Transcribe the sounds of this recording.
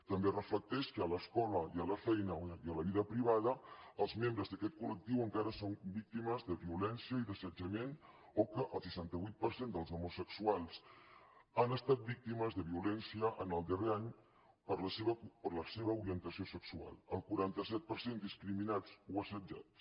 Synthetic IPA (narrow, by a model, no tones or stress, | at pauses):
t̪əmberəflək̚t̪ɛʃkəːləskɔləiələfɛjnəiələβiðəpɾiβaðəəlˠzmembɾəzðəkɛt̪̚kulək̚t̪iwəŋkaɾəsombik̚t̪iməzðəβiulɛnsjiəiðəsəd͡ʒəmen | okəʔəlˠsəʃant̪əβujt̪̚pəɾsend̪əlˠzəmusəksualˠs | anəst̪at̪̚bik̚t̪iməzðəβiulɛnsiəʔənəlˠd̪əreaɲ | pəɾləseβəpəɾləseβəuɾiənt̪əsiosəksua̰lˠəlˠkuɾant̪əsɛt̪̚pəɾsend̪iskɾiminat͡suəsəd͡ʒa̰tt͡s